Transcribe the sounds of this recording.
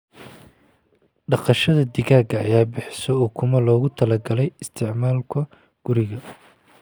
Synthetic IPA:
ɖɑqɑʃɐðɐd̪ɪɣaːɡɐɐjaːbɪħsɔɔːkʰʊmɐlɔːɣʊt̪ʰɐlɐɡɐlɛjɪst̪ʰɪʕmaːlkʰɐ | ɡ̥ʊɾɪɣɐ

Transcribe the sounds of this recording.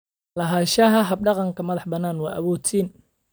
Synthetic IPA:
lɐɦaːʃɐɦɐɦɐb̚ɖɑqɑŋkʰɐmɐðɑħbɐnːaːnwɑːʔɐβɔːt̪ʰiːn

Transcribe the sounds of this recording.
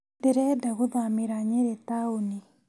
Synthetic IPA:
deɾɛdaɣuðamiɾaɲeɾetauni

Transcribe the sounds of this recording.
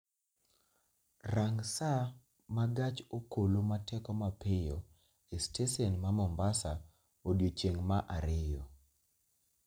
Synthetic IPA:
raŋsa | maɡat͡ʃokolomatʰɛkɔmapɪjɔ | estesɔnmamɔmbasa | odjot͡ʃeŋmaʔaɾɪjɔ

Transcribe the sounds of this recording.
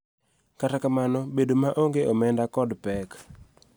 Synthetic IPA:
katakamanɔbedomaʔoŋɡeʔɔmɛndakɔdpɛk

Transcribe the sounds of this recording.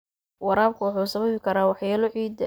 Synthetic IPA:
wɑɾaːb̚kʰʊwʊħuːsɐβɐβɪkʰɐɾaːwɑħjaːlɔʕiːd̪ɐ

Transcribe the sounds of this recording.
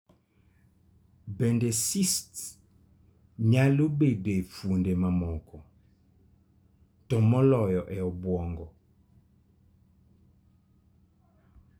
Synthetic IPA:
bɛndesist | ɲalubedefundemamɔkɔ | tɔmɔlɔjɔʔɛɔbwɔŋɡɔ

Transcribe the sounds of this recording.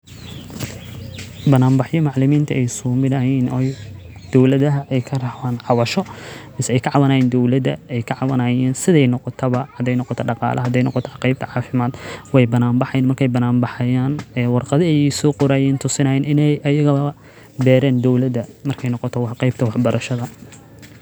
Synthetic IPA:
bɐnaːmbɑħjɔmɑʕlɪmiːnt̪ʰɐɛjsuːmɪd̪ɐɦɛjnɔj | d̪̥ɔwlɐðɐɦɐʔɛjkʰɐrɑhwaːnʕɑwɐʃɔmɪsɛɛjkʰɐʕɑwɐnɐjɛːnd̪ɔwlɐðɐ̰ɛjkʰɐʕɑwɐnɐjɛːnsɪðɛjnɔqɔt̪ʰɔβɐhɐd̪ɛjnɔqɔt̪ʰɔɖɑqɑ̰ːlʔɐɦɐd̪ɛjnɔqɔt̪ʰɔqejb̚t̪ʰɐʕɑːfɪmaːd̪wɛjbɐnaːmbɑħɑjɛːnmɐrkʰɛjbɐnaːmbɑħɐjaːnɛːwɑrqɑðɪɛjsɔːqʊɾaːjɛːnt̪ʰʊsɪnɐjɛːnɪnɛjɐjɐɣɐɐɐ | bɛːɾɛːnd̪ɔwlɐðɐmɐrkʰɛjnɔqɔt̪ʰɔwɑħqɑjb̚t̪ʰɐwɑħbɐɾʔɐʃɐðɐ

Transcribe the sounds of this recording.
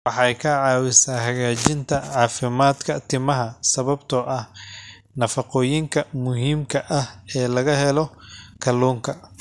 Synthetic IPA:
wɑħɑjkʰɐʕɑːwɪsaːhɐɣaːt͡ʃɪnt̪ʰɐʕɑːfɪmaːd̪kʰɐt̪ʰɪmɐɦɐsɐβɐbt̪ʰɔʔɐh | nɐfɑqɔːjɪŋkʰɐmʊɦiːmkʰɐʔɐhɛːlɐɣɐɦɛlɔkʰɐluːŋkʰɐ

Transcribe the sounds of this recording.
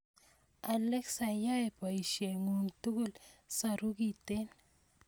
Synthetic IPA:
aleksajaepaiʃeŋunt̪uɡulsaɾuɡit̪en

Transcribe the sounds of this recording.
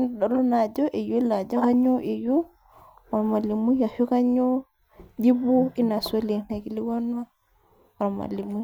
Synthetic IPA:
nɗɔlɔnad͡ʒɔʔɛjulad͡ʒɔkaɲɔʔɛju | wamalimujafukaɲɔ | d͡ʒibuinasolinakiliwanwa | wama̰limu

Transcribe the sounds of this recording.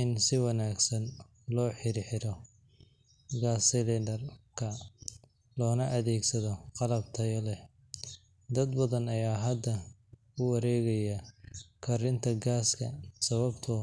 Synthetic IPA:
ɪnsɪwɑnaːɡsɐn | lɔːħɪɾɪħɪɾɔ | ɡaːsɪlɛdɐrkʰɐ | lɔːnɐʔɐðɛːɡsɐðɔqɑlɐb̚t̪ʰɐjɐlɛ | d̪ɐd̪bɐðɐnɐjaːɦɐd̪ːɐ | ʊwɑɾɛːɣɐjɐkʰɐɾɪnt̪ʰɐɡaːskʰɐ̰sɐβɐbt̪ʰʊ

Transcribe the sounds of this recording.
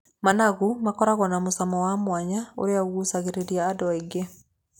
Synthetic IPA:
manaɣumakɔɾaɣɔnamosamɔwamwaɲao̰ɾeaɣusaɣeɾeɾiaːdɔeɡe

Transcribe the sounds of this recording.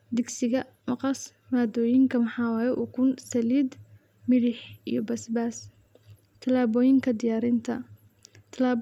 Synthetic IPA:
d̪ɪɡsɪɣɐ | mɑqɑs | maːd̪ɔːjɪŋkʰɐmɑħɑːwaːjɛʔukʰʊnsɐliːd̪ | mɪɽɪħʔḭjɞbɐsbaːs | t̪ʰɐlaːβɔːjɪŋkʰɐd̪ɪjaːɾɪnt̪ʰɐ | t̪ʰɐlaː

